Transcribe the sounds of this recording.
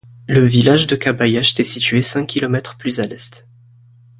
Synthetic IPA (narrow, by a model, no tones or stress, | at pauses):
ləvilaʒd̪əkabajaʃe̥t̪ɛsit̪ɥesɛ̃kʲːilɔmɛt̪χplyzalɛst̪